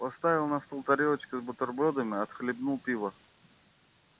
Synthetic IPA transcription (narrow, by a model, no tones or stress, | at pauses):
pɐst̪avʲɪlˠnɐst̪ɔlˠt̪ɐɾʲilˠət͡ɕkɪzbət̪ɔrbɔd̪əmʲɪɐt̪xlʲɪbnulˠpʲivə